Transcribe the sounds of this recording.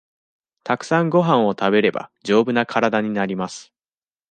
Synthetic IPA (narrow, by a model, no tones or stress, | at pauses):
t̪akɯ̟̥sãŋɡo̞ɦãɰ̃o̞t̪abe̞ɾe̞ba̰d͡ʑo̞ːbɯ̟nakʰaɾad̪aɲ̟inaɾʲimasɨ̥